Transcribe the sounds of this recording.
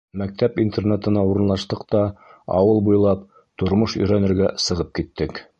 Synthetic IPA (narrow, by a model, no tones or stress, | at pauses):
mæk̚t̪æpint̪ernet̪ɤ̆nɑuɾɤ̆nlˠɑʃt̪ɤqt̪ɑɑ̰wɤlˠbujlˠɑp | t̪ŏɾmɤʃɵ̰̆jɾænɘ̆ɾɡæsɤ̆ʁɤp̚kit̪ːɘk